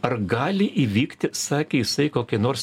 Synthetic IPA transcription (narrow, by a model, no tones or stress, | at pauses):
ɐrɡɑːlʲɪʔiːʋʲiːkt̪ʲɪsɑːkʲeːjɪsɐɪkoːkʲɛnoːrs